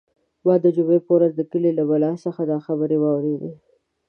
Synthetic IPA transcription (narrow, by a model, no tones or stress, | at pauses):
wɑd̪əd͡ʒʊmepəwɾazd̪əkəlelabalɑsəxad̪ɑxabəɾewɑwɾed̪e